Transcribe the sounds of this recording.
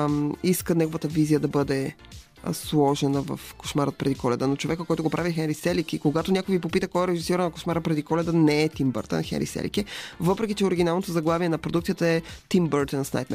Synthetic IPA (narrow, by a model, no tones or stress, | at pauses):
iskənɛɡovət̪əvizijəd̪ɐbɤd̪ɛ̰ | slˠɔʒɛnəvɐ̰fko̥ʃmaɾət̪̚pɾɛd̪ikʰɔlɛd̪ənot͡ʃovɛkəkɔjt̪oɡopɾʔavixɛnɾisɛlikikoɡat̪onʲakojivipopit̪əkɔɛɾɛʒisiɾənɐko̥ʃmaɾəpɾɛd̪ikɔlɛd̪ənɛːt̪imbə̰ɾt̪ə̰nxɛ̰ɾḭsɛ̰lḭkɛvɤpɾɛkʲit͡ʃɛoɾiɡʲinalˠnot̪ozɐɡlˠaviɛnɐpɾod̪ukt̪iət̪əɛt̪imbəɾt̪ənsna̰jt̪n